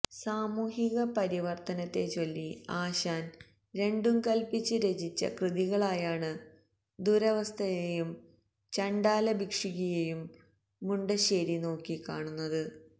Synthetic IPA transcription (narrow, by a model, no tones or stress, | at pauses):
saːmuːhiɣɐpɐɾiʋɐrt̪ɐnɐt̪ːe̞t͡ɕo̞lːiaːɕaːn | ɾe̞ɳɖumkɐlpit͡ɕːɨɾed͡ʑit͡ɕːɐ̰krɨðiɣɐɭaːjaːɳɨ | d̪uɾɐʋɐst̪ʰɐjejum | t͡ɕɐɳɖaːlɐbikʂiɣijejumː | uɳɖɐɕe̞ːɾino̞ːkːikaːɳunːɐðɨ